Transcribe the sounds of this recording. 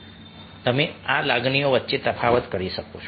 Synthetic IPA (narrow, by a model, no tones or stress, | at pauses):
t̪əmealaɡɳijoʋət̪ːʃet̪ɾəpʰaʋət̪kəɾiʃəkot͡ʃʰ